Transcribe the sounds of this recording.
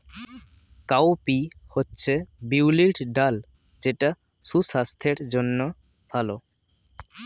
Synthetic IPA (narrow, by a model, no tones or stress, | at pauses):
kawpihotːɕʰebiwliʈɖal | d͡ʑeʈa | susast̪ʰeɾd͡ʑonːo | bʱalo